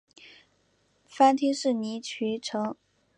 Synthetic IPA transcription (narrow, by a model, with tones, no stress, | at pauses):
fa˥nt̪ʰi˥ʂɻ̩˥˩ni˧˥t͡ɕʰy˧˥ʈ͡ʂʰɤ˧˥ŋ